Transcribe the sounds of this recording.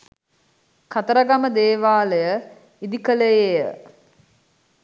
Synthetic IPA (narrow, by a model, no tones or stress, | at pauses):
kat̪əɾaɡaməd̪eːʋaːlejə | id̪ikəlejejə